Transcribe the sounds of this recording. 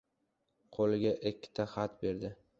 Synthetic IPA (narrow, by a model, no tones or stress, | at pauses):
qʰolɪɡʲaʔekʲʰːɪ̥t̪ʰaχat̪be̞ɾd̪ɪ